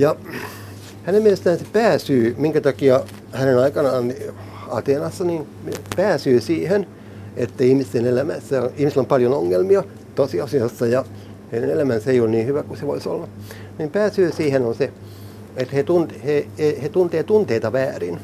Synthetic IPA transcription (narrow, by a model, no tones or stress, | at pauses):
jɑ | hænemielest̪æːnse̥pæːsyːmiŋkæt̪ɑkiɑ | hænenɑikɑnɑːni | ɑ̰t̪eːnɑsːɑnin | mepæːsyːsiːhen | et̪ːæihmist̪enelæmæ̰sːæonihmiselːompɑljonoŋːelmiɑ | t̪osiɑsiɑsːɑjɑ | henenelæmænseijonniːhyʋækuseʋoiso̰lːɑ | niːmpæːsyːsiːhenonse | et̪het̪unt̪hehehet̪unt̪eːt̪unt̪eit̪ɑʋæːrin